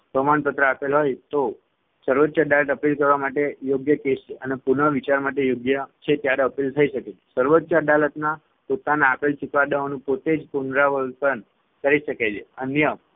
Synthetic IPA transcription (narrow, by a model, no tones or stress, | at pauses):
pəmanpət̪ɾəapilɦojt̪o | səɾʋətːʃaɖaləʈ̪əpilkəɾʋamaʈejoɡjəkest͡ʃeənepuɳəʋit͡ʃaɾmaʈejoɡjət͡ʃʰet̪jaɾeəpilt̪ʰəiʃəket͡ʃʰe̥səɾʋət̪ːʃaɖalət̪na | pot̪anaːpilsikʋad̪əonũpot̪ed͡ʒpunɾaʋəlt̪ən | kəɾiʃəket͡ʃʰeənjə